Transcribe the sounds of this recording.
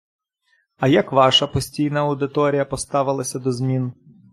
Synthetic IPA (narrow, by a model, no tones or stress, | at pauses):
ɐjakʋɑʃɐpɔsʲtʲijnɐɐwd̪ɪt̪ɔɾʲijɐpɔst̪ɑʋɪlˠɐsʲɐd̪ɔzʲmʲin